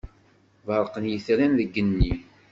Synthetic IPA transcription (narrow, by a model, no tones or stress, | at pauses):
vəɾˤqənjəθɾænðəɡːənːi